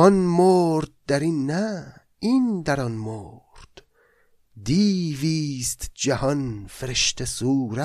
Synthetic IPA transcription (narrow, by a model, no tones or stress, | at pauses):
ɒnmoːɾd̪̚d̪æɾinːæ | ind̪æɾɒnmoːɾd̪̥ | d̪iːviːst̪d͡ʒæhɒnfeɾeʃt̪ʰesuːɾæ